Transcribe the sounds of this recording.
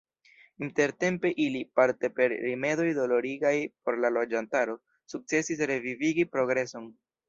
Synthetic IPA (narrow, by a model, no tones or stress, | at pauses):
inte̞ɾte̞mpe̞ʔilipaɾte̞pe̞ɾːime̞do̞jdo̞lo̞ɾiɡajpo̞ɾlalo̞d͡ʒantaɾo̞ | suk̚t͡se̞sis̬ɾe̞viviɡipɾo̞ɡɾe̞so̞n